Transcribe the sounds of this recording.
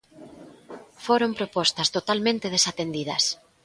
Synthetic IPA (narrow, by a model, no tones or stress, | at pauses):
foɾompɾopɔst̪ɐst̪ot̪almẽnt̪eð̞esat̪end̪iðɐ̰s